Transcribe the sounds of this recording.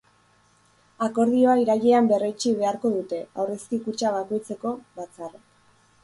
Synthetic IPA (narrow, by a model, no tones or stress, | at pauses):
ako̞ɾð̞io̞aiɾaɣeambe̞rojt͡ʃiβe̞aɾko̞ð̞ut̪e̞awre̞skikut͡ʃaβ̞ako̞jt͡se̞ko̞βat͡sar